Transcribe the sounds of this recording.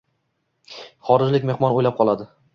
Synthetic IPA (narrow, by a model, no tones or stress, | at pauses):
χɒɾɪd͡ʒlɪkʲme̞hmɒnojlap̚qʰɒlˠad̪ɪ